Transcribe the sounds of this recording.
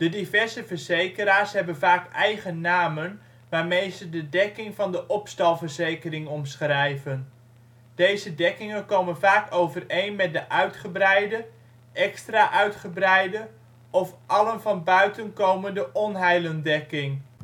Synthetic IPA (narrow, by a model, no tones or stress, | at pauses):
d̥ədivɛɹzəvəɹzejkəɾaːɹsɦɛbənvaːkɛjχənːaːmən | ʋaːɹmejzədədɛkɪŋvɑndəʔɔpstɑlˠvərzejkərɪŋɔmsχrɛjvən | d̥ejzədɛkɪŋənkowmənvaːkowvərejnmɛt̚dəʔœɥtχəbrɛjdə | ʔɛkstraʔœɥtχəbrɛjdə | ɔfʔɑlənvɑnbœɥtənkowməndəʔɔnɦɛjləndɛkɪŋ